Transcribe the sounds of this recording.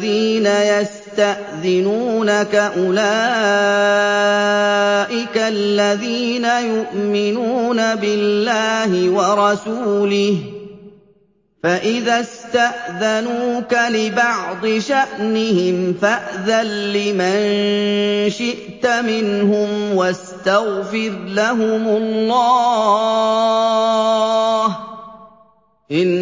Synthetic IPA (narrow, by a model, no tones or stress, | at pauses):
ðiːnajas | t̪aʔðɪnuːnakaʔʊlaː | ʔɪkalːaðiːnajʊʔmɪnuːnabɪlːaːhɪwɑɾˤɑsuːlɪh | faʔɪðaːst̪aʔðanuːkalɪbɑʕd̪ˤɨʃaʔnɪhɪmfaʔðalːɪman | ʃɪʔt̪amɪnɦʊmwast̪aɣfɪɾlaɦʊmʊlːɑː | h | ʔɪn